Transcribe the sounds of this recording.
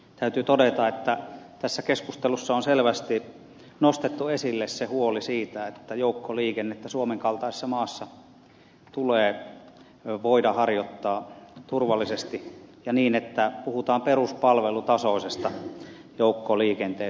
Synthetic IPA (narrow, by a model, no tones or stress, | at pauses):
t̪æyt̪yt̪odet̪ɑet̪ːæt̪æsːækeskust̪elusːɑonselʋæst̪i | nost̪et̪ːuesilːessehuolisiːt̪æet̪ːæjoukːoliːkenːet̪ːæsuomeŋkɑlt̪ɑˑise̥sːɑmɑːsːɑ | t̪uleː | ʋoidɑhɑrjot̪ːɑːt̪urʋɑlːisest̪ijɑniːnet̪ːæpuhut̪ɑːmperuspɑlʋelut̪ɑsoˑisest̪ɑ | joˑukːoliːkent̪eː